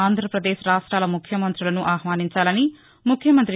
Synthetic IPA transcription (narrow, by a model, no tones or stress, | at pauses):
aːnd̪ʱɾɐpɾɐd̪eːʃɾaːʂʈɾaːlɐmukʰjɐmɐnt̪ɾulɐnuʔaːɦʋaːniɲt͡ʃaːlɐni | mukʰjɐmɐnt̪ɾi